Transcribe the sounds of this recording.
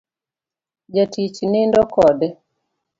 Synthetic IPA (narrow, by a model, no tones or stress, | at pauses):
d͡ʒatʰit͡ʃnɪndɔkɔdɛ